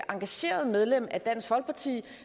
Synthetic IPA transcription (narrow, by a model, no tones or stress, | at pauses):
ʔɑ̈ŋɡ̥æɕe̝̰ːɐð̞ˠmeð̞ˠlem̰æd̥æn̰sɡhɒ̽lɡ̥̚pʰɑ̈t͡sʰḭː